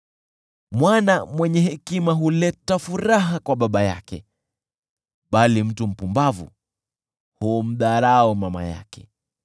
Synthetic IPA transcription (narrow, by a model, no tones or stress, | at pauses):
mwanamwɛɲɛhɛkimaɦulɛtafuɾaɦakwaɓaɓaja̰kɛ̰ | ɓalim̩tum̩pumbavṵ | hum̩ɗaɾaɔmama̰ja̰kɛ